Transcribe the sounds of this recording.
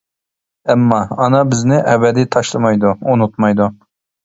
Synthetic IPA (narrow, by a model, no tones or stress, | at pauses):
ɛmːɑːnɑbɪznɪʔɛbɛd̪ijt̪ʰɑʃlˠɨmɑjd̪uunut̪mɑjd̪u